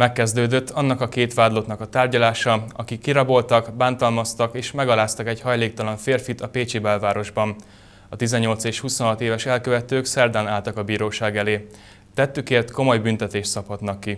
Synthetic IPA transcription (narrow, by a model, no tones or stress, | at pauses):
mɛkːɛzd̪øːd̪øt̪ːʰɒnːɒkɒkeːt̪ʋaːd̪lo̞t̪nɒkɒt̪aːrɟɒlaːʃɒɒkikːiɾɒbo̞lt̪ɒkbaːnt̪ɒlmɒst̪ɒkeːʃmɛɡɒlaːst̪ɒkɛɟhɒjleːk̚t̪ɒlɒɱfeːrfit̪ɒpeːt͡ʃibɛlvaːɾo̞ʒbɒn | ɒt̪izɛɲːo̞lt̪seːʃhusonɦɒt̪eːvɛʃɛlkøvɛt̪øːksɛrd̪ɛnaːlt̪ɒkɒbiːɾoːʃaːɡɛleː | t̪ɛt̪ːykeːrt̪ko̞mo̞jbynt̪ɛt̪eːʃsɒphɒt̪nɒkːi